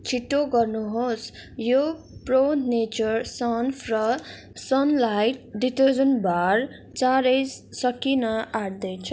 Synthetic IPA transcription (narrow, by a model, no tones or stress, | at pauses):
t͡sʰiʈːoɡʌrnuɦosjo | pronet͡ʃʌɾsʌnfʰrʌ | sʌnlajʈɖiʈʌd͡zʌnbaɾ | t͡saɾʌsʌkinʌaɽd̪ʌjt͡sʰʌ